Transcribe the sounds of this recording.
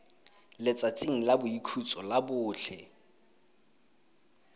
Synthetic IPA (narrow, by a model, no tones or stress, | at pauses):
lɪt͡sʼat͡sʼiŋ̩labʊikʰut͡sʼɔlabʊːt͡ɬʰɛ